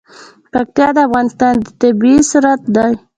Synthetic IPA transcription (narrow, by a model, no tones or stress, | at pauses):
pak̚t̪jɑd̪əafɣɑnɪst̪ɑnd̪ət̪ɪbisuɾat̪̚d̪ɑj